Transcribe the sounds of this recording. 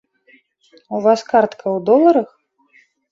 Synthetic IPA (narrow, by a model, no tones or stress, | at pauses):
uvaskart̪kʰɐwd̪ɔlˠɐɾɐx